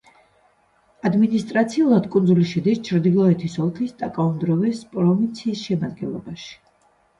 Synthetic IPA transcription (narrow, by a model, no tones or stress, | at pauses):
ad̪minist̪ʼɾat̪sʰiulˠad̪kʼundzuliʃɛd̪ist͡ʃʰɾd̪ilˠɔɛt̪ʰisɔlˠkʰist̪ʼakʼaɔmd̪ɾɔvɛspʼɾɔvint̪sʰiːsʃɛmad̪̚ɡɛ̰nlˠɔ̰baʃi̥